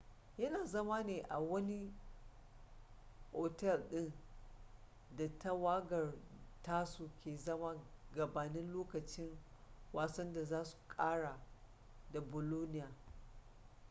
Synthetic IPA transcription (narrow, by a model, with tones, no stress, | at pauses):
jɐ˦naː˨zɐ˦maː˦neː˨ʔa˨wɐ˦ni˦ | ʔoː˨tɛ˦lɗɪ˦n | da˨ta˦waː˦ɡɐ˨rtaː˦su˨kʲeː˨zɐ˦ma˦ɡɐ˨baː˨nɪ˦nloː˦kɐ˨t͡ʃɪ˦ŋwaː˨sɐ˦nda˨zaː˦su̥˨kʼaː˦ɽa˨ | da˨bʊ˨loː˦nɪ˦jaː˨